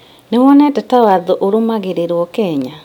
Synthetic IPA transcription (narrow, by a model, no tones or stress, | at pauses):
newɔnɛtɛtawaðoʔoɾomaɣeɾeɾwɔkɛːɲa